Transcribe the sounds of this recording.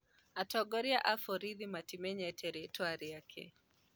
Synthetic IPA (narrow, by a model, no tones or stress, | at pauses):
atɔɡɔɾiaʔafɔɾiðimatimɛɲɛtʰɛɾitwaɾiakʰɛ̰